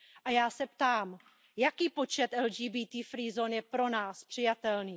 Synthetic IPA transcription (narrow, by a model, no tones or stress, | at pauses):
ʔajaːsɛpt̪aːm | jakiːpo̞t͡ʃɛt̪ʔɛld͡ʒiːbiːt̪iːfɾiːzonjɛpɾo̞naːspr̝̥ɪjat̪ɛlniː